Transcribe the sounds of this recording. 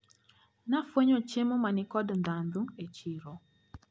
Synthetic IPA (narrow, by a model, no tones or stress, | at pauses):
nafweɲot͡ʃemomanikɔdn̩danduŋet͡ʃiɾɔ